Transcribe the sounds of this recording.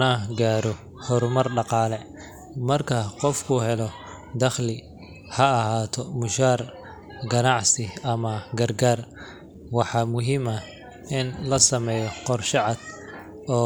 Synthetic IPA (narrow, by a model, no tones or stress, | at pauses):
ɐɡaːɾɔ | hɔɾmɐrɖɑqɑːlɛ | mɐrkʰɐqɔfkʰʊɦɛlɔ | d̪ɐχlɪ | hɐːɦaːt̪ʰɔmʊʃaːr | ɡɐnɑʕsɪɐmɐɡɐrɡaːr | wɑħɑːmʊɦiːmɐ | ɪnlɐsɐmɛːjɔqɔrʃɑʕɑd̪̥ | ɔː